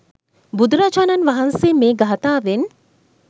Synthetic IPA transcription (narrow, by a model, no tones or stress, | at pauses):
bud̪uɾad͡ʒaːnɐnʋaɦɐnseːmeːɡɐɦɐt̪aːʋen